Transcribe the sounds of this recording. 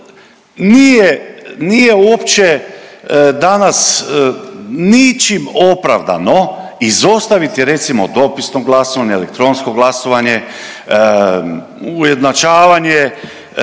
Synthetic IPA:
nijenijeuopt͡ʃe | d̪anas | nit͡ʃimopɾaʋd̪a̰no̞izo̞st̪aʋit̪ɾe̞t̪simo̞d̪o̞pisnoɡlasoʋaɲeelek̚t̪ɾo̞nsko̞ɡlˠasoʋaɲe | uje̞d̪nat͡ʃaːʋaɲe

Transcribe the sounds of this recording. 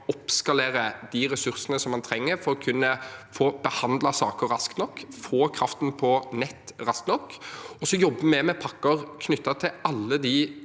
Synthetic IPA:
ɔpskɑleːɾəd̪iɾɛsʉɾsənəsɔmɑnt̪ʰɾɛŋːəɾfɔɾɔkʰʉnːəfoːbəhɑnd̪lɑsɑːkəɾɑskt̪nɔkːfoːkʰɾɑft̪n̩pʰɔnɛt̪ːɾɑskt̪nɔkːɔsːɔjɔbːəmɛmɛpʰɑkːəɾkʰnʏt̪ːɑt̪ʰɪɑlːəd̪i

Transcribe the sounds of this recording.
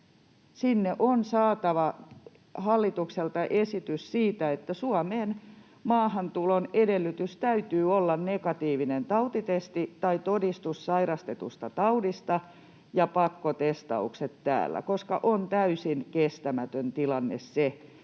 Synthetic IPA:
sinːeʔonsɑːt̪ɑʋɑ | hɑlːit̪ukselt̪ɑʔesit̪yssiːt̪æet̪ːæsuɑmeːn | mɑːhɑnt̪ulonedelːyt̪yst̪æyt̪yːolːɑnnekɑt̪iːʋinent̪ɑut̪it̪est̪it̪ɑit̪odist̪ussɑiɾɑst̪et̪ṵst̪ɑt̪ɑudist̪ɑ | jɑpɑkːot̪est̪ɑ̰ukset̪tæ̰ːlːæ̰koskɑ̰ʔont̪æysinkest̪æmæt̪ønt̪ilɑnːḛsse

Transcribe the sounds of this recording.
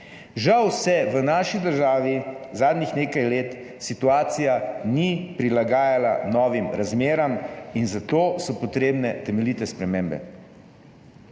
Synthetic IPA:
ʒawsɛʋənaːʃid̪əɾʒaːʋizaːd̪nixneːkajleːt̪ | sit̪uaːt̪sijanipɾilaɡaːjalanɔːʋimɾazmeːɾaminzat̪oːsɔpɔt̪ɾeːbnɛt̪ɛmɛlit̪ɛspɾɛmeːmbɛ̰

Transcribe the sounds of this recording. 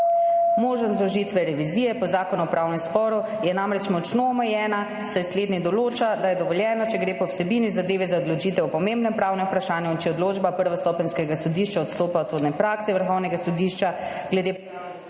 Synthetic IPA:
moːʒnɔszlɔʒit̪ʋɛɾɛʋiziːjɛpɔzaːkɔnuɔpɾaːwnɛmspɔːɾu | jɛnamɾɛt͡ʃmɔt͡ʃnoɔmɛjɛːna | sɛsleːd̪nid̪ɔloːt͡ʃad̪ajɛd̪ɔʋɔljɛːnɔt͡ʃɛɡɾeːpɔwsɛbinizad̪eːʋizaɔd̪lɔt͡ʃit̪ɛwpɔmembnɛmpɾaːwnɛpɾaʃaːnjɛint͡ʃɛɔd̪loːd͡ʒbapəɾʋast̪ɔpɛnskɛɡasɔd̪iʃt͡ʃaɔt̪st̪oːpaɔt̪soːd̪nɛpɾaːksɛʋəɾxɔwnɛɡasɔd̪iʃt͡ʃaɡ̥lɛd̪e

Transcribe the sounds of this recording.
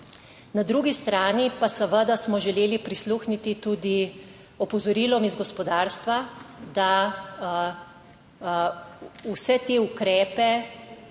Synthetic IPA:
nad̪ɾuːɡist̪ɾaːnipasəʋəd̪asmɔʒɛleːlipɾisluːxnit̪it̪uːd̪i | ɔpɔzɔɾiːlɔmizɡɔspɔd̪aːɾst̪ʋad̪a | usɛt̪eːukɾɛːpɛ

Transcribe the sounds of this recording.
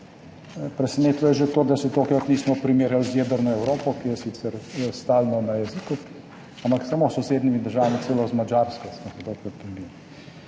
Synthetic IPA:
pɾɛsɛneːt̪ʋɔjɛʒet̪oːd̪asɛt̪oːkajkɔt̪niːsmɔpɾimeːɾjalzjeːd̪əɾnɔɛwɾoːpɔkijɛsit̪sɛɾst̪aːlnɔnajɛziku | ampaksamosɔseːd̪nimid̪əɾʒaːʋamitselozmad͡ʒaɾskɔsmosɛt̪okkɔtk̪imbi

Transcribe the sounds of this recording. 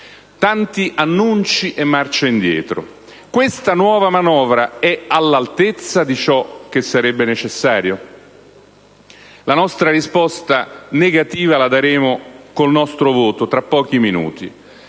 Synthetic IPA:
t̪ant̪iʔanːunt͡ʃiʔemːart͡ʃaind̪jɛ̰ːt̪ɾo̰ | kwest̪anwɔːvamanɔːvɾaɛalːalt̪et̪sːad̪it͡ʃɔk̟ːesːaɾɛbːenet͡ʃesːaːɾjo | lanɔst̪ɾarispɔst̪aneɡat̪iːvalad̪aɾeːmokolnɔst̪ɾovoːt̪ot̪ɾapːɔːk̟iminṵːt̪i

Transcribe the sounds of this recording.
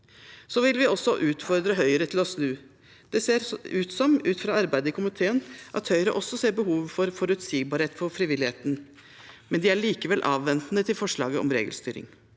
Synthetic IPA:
soːʋɪlʋɪɔsːɔʔʉːt̪fɔɾd̪ɾəɦœʏəɾət̪ʰɪlɔsnʉː | d̪̥ɛseːɾʉːt̪sɔmʉːt̪fɾɑɑɾbæɪd̪əkʰʊmɪt̪ʰeːənʔɑ̰t̪hœʏəɾəʔɔsːɔseːɾbəɦuːʋfɔɾfɔɾʉt̪siːɡ̚bɑːɾheːt̪fɔɾfɾɪʋɪlɪheːt̪n | mɛnd̪ɪæɭiːkəʋɛlʔɑːʋːɛnt̪nət̪ʰɪlfɔʂɭɑ̰ːɡəɔ̰mɾḛːɡəlst̪yːɾɪ̰ŋ

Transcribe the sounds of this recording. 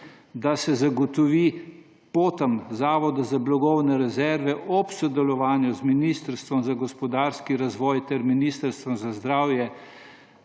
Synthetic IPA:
d̪asɛzaɡɔt̪ɔʋi | poːt̪əmzaːʋɔd̪azablɔɡɔwnɛɾɛzɛɾʋɛʔɔpsɔd̪ɛlɔʋaːnjɔzminist̪əɾst̪ʋɔmzaɡɔspɔd̪aɾskiɾazʋɔːjt̪ɛɾminiːst̪əɾst̪ʋɔmzazd̪ɾaːwjɛ

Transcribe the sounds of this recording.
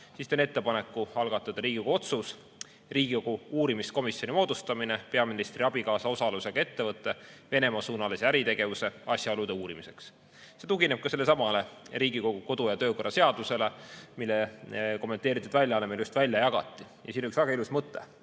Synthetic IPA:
sist̪ene̞t̪ːe̞pɑne̞kːuɑlɡɑt̪ːˑɑd̪̥ɑɾiːɡ̥iko̥uo̞t̪sus | riːɡ̥ikoɡ̥uuːɾimisko̞misjo̞nʲimo̞ːd̪ust̪ɑmine̞pe̞ɑminist̪riɑb̥ikɑːsɑo̞sɑluse̞ɡ̥ɑe̞t̪ːe̞vɤt̪ːˑe̞ve̞nemɑsuːnɑlesæɾit̪e̞ɡ̥e̞vuse̞ɑsʲjɑo̞lud̪e̞uːɾimise̞ks | se̞t̪uɡ̥ine̞b̥̚kɑse̞lːe̞sɑmɑle̞riːɡiko̞ɡ̥uko̞d̪ujɑt̪ø̞ːko̞rːɑse̞ɑd̪̥use̞lemilːeko̞mːe̞nt̪e̞ːɾit̪ːˑud̪vælʲjɑɑlemeljust̪vælʲjɑjɑɡ̥ɑ̰t̪ːˑi | jɑsinoyksæɡɑilusmɤt̪ːˑe̞̰

